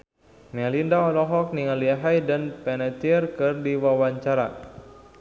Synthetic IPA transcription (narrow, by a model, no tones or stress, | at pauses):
nɛlindaɔlɔɦɔk̚niŋaliaɦajdanpɛnɛt͡ʃirkɨrdiwawaɲt͡ʃaɾa̰